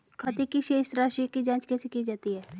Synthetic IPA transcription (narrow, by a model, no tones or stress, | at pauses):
kʰɐt̪ikiʃeːʃɾaːʃikid͡ʒãːt͡ʃkɛːsekid͡ʒaːt̪iɦɛː